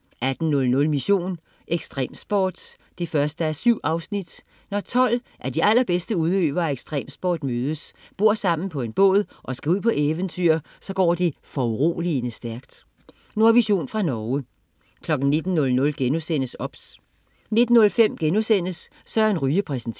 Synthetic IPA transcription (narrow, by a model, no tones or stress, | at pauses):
ʔæd̥n̩nɔ̽lnɔ̽lmiɕo̝̰ːn | ʔeɡ̥sd̥ʁɛ̰ːmsb̥ɒːd̥ː | efɶɐsd̥əæɐsyʊ̰ʔɑ̈ʊsnid̥ | nɒt͡sʰɒ̽l̰ʔæɐd̥iæl̰ɐb̥esd̥əuð̞ˠø̰ːb̥ɐæeɡ̥sd̥ʁɛ̰ːmsb̥ɒ̰ːd̥møːð̞ˠəsb̥o̝ɐ̰sɑ̈m̰n̩pʰɒ̽e̝nb̥ɔ̰̽ːð̞ˠʔɒ̽sɡ̥æuð̰ˠpʰɒ̽ʔeːʋənt͡sʰy̰ɐ | sɒ̽ɡ̥ɒ̰ːd̥e̝fɒuʁo̝̰ːlienəsd̥æɐɡ̥d̥ | noɐʋiɕo̝̰ːnfʁɑ̈nɒːʊə | kʰlɒ̽ɡ̥n̩ne̝d̥n̩ːɔ̽lnɔ̽lɡ̥enusen̰əsɒ̽b̥s | ne̝d̥n̩ːɔ̽lfem̰ɡ̥enusen̰əsː | ɒ̽æɐe̝nʁyːəpʰʁɛsn̩t͡sʰ